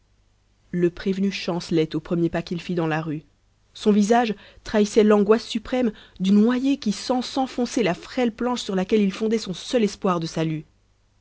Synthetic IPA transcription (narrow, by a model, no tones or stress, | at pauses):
ləpχevnyʃɑ̃slɛt̪opχəmjepakʲilfid̪ɑ̃laʁy | sɔ̃vizaʒ | t̪χaisɛlɑ̃ɡwasːypχɛmd̪ynnwajekʲisɑ̃sɑ̃fɔ̃selafχɛlplɑ̃ʃsyʁlakʲɛlilfɔ̃d̪ɛsɔ̃sœlɛspwaʁd̪əsaly